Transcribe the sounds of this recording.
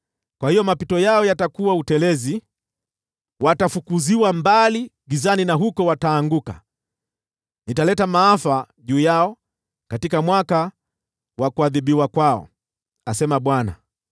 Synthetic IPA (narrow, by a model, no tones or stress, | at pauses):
kwahijɔmapitɔjaɔjatakuwautɛlɛzi | watafukuziwambaliɡizaninaɦukɔwataːŋɡuka | nitalɛtamaafa | ʄuːjaɔ | katikamwaka | wakuaðiɓiwakwaɔ̰ | asɛmaɓwana̰